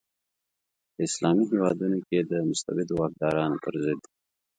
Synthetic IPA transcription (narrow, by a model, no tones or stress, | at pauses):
pəɪslɑmiɦewɑd̪unoked̪əmʊst̪abɪd̪owɑk̚d̪ɑɾɑnopəɾzɪd̪